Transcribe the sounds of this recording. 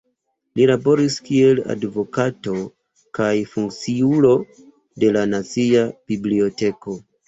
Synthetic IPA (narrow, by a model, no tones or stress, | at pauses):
lilabo̞ɾiskie̞la̰dvo̞kato̞ | kajfuŋkt͡siulo̞ | de̞lanat͡siab̥iblio̞te̞ko̞